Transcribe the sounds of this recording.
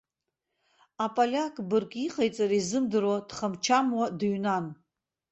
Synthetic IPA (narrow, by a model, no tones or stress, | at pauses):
apʼalʲakʼbɨrkʼiqʼajt͡sʼaɾizɨmdɨɾwad̥χamt͡ʃʰamwadɥnan